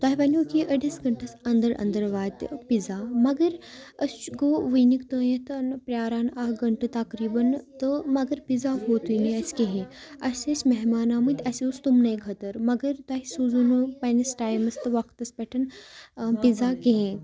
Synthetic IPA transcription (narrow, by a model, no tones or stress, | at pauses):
t̪waːɦipɐnʲoːkiʔɐɽisɡɐɳʈɐsɐnd̪əɾɐ̰nd̪əɾʋaːt̪pizaːmɐɡɐɾɐst͡ʃɡoːʋəjnikt̪uːjɐt̪ɨnpɾʲjaːɾaːnɐɦɡɐɳʈɨt̪ɐkɾiːbɐnt̪ɨmɐɡɐɾpizaːɦoːt̪ujniɐskeɦẽɐsʲesmɐɦmaːnaːmɨt̪ʲɐsiust̪umnɐjɡʰʱɐt̪ɐɾmɐɡɐɾt̪aːɦisuzunupɐnisʈaːjmɐst̪ɨʋɐkt̪ɐspɛʈʰɐn | pizaːkeɦẽ